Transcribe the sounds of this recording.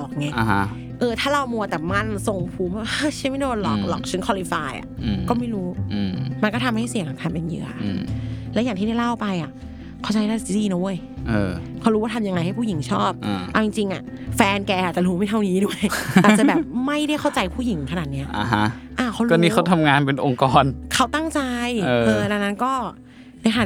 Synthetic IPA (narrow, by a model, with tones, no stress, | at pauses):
lɔː˨˩k̚ŋa˧˥˩a˧˩a˦˥ | ʔɤː˧t̪ʰaː˥˩ɾa˧wmu˧ɐt̪ɛ˨˩ma˧˥˩nso˨˩ŋpʰuː˨˩˦mbaː˥˩ʔa˧˥˩t͡ɕʰa˦˥˩ma˥˩doː˧˩lɔ̰˨˩k̚lɔ˨˩k̚t͡ɕʰɯ˦˥nkʰɔ˧li˧faː˧jʔa̰˨˩˧kɔː˥˩ma˥˩jɾuː˦˥˨ma˧nkɔː˥˩t̪ʰa˧mha˥˩jsi˨˩˦ŋkʰaː˨˩k̪ʰa˧pe˧njɯ̰˧˩ɐ˧lɛː˦˥jaː˨˩ŋt̪iː˥˩a˥˩jla˥˩wpa˧jʔa˨˩ | kʰa˥˩t͡ɕa˧jɾa˥˩˨iː˧no˧˦˧j | ʔɤː˧kʰa˦˥˩ɾuː˦˥waː˥˩t̪ʰmja˧ŋa˧jha˥˩jpʰu˥˩ji˨˩˦ŋt͡ɕʰɔː˥˩p̚ʔʔa˧wt͡ɕi˧ŋt͡ɕi˧ŋʔa̰˨˩ʔfɛː˧nkɛː˧ʔaː˨˩t͡ɕa˨ɾuː˦ma˥˩jt̪ʰa˥˩niː˦˥du˥˩əjaː˨˧˩t͡ɕa˨˩bɛː˨˩p̚ma˥˩jɾa˥˩jxʰa˥˩wt͡ɕa˧jpʰuː˥˩ji˨˩˦ŋkʰa˧naː˨˩t̪̚ni˦˥ɐʔa˧ɦa˦˥ʔaː˧˩kʰa˦˥wkɔː˥˩˦niː˦˥kʰa˦˥wt̪ʰa˧mŋaː˧npe˧nʔo˧ŋkɔː˧nkʰa˦˥wt̪a˥˩ŋt͡ɕa˧jːʔɤː˧na˧na˦˥nkɔː˥˩ | na˧jkʰa˧a˨˩